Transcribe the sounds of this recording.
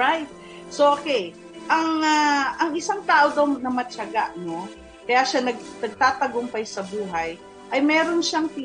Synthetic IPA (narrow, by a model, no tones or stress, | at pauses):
ajt̪̚ | soʔokɛj | ʔɐŋaʔɐŋɪsaŋt̪aːʔod̪ɐwnɐmɐt͡ʃɐɡaʔno̞ | kɐjaʃanɐɡ̚nɐɡ̚t̪aːt̪ɐɡompɐjsɐbuːɦɐj | ʔɐjmɛːɾonʃaŋp̪i